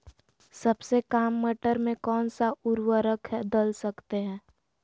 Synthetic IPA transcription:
sɐbsekaːmːəʈəɾmẽkɔːnsaʊɾwəɾəkʰɦɛd̪əlsəkt̪eɦɛ̃ː

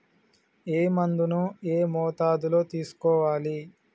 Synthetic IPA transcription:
eːmɐnd̪unueːmɔːt̪aːd̪ulo̞ːt̪iːsu̥kɔːʋaːli

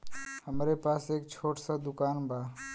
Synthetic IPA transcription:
həmɾepaːseːkt͡ʃʰoːʈsad̪ʊkaːnbʱaː

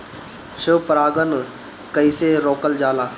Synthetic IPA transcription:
ʃəʋpəɾaːɡən | kəiseːɾoːkəld͡ʒaːlaː

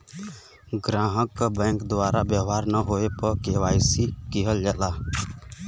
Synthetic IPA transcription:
ɡɾãːɦəkːabɛ̃ːŋkd̪waːɾabjəɦaːɾnəɦoepəkewaːjsikiɦəld͡ʒɛlaː

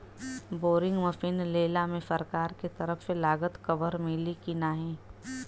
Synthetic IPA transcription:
boːɾɪ̃ŋɡmɐfiːnleːlamẽsɐɾkaːɾket̪ɐɾəfselaːɡət̪kɐʋəɾmɪlikinaːɦẽː

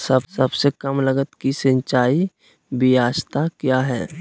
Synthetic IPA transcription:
sɐbsɐbsekɐmlɐɡət̪kisə̃ɲt͡ʃaːi | bijaːst̪akjaːɦɛ̰ː

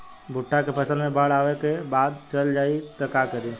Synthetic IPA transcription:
bʱʊʈʰːakepʰəsəlmẽbaɽaːʋekebaːd̪t͡ʃəld͡ʒaːit̪əkakəɾi

